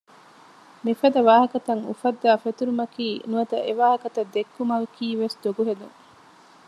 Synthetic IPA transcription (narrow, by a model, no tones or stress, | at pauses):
mifɐd̪ɐʋaːɦɐkɐt̪ɐŋṵfɐd̪ːaːfet̪uɾumɐkiːnuɐt̪ɐ̰ʔeʋaːɦɐkɐt̪ɐd̪ːekːumɐlkiːʋesd̪oɡuɦed̪uŋ